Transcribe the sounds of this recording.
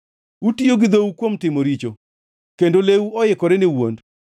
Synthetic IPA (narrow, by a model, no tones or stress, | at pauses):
utijoɡɪd̪owukwomtɪmoɾit͡ʃo | kendolewuɔjɪkɔɾɛnɪwond